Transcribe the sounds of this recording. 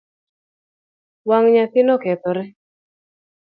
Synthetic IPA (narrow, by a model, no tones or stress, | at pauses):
waŋɲat̪ɪnɔkɛt̪ɔɾɛ